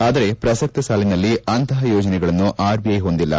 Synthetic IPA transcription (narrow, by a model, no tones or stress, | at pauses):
aːd̪ɐɾe̞pɾɐsɐk̚t̪ɐsaːlinɐlːiɐnt̪ʰɐɦɐjɔːd͡ʒɐnɛɡɐɭɐnːuʔaːɾbiɐjɦo̞nd̪ilːɐ̰